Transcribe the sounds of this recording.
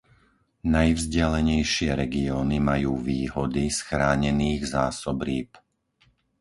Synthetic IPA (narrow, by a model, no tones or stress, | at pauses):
najvzɟɛlɛɲɛjʃɪɛɾɛɡiɔːnimajuːʋiːɦɔd̪isxɾaːɲɛniːɣzaːsɔbɾiːp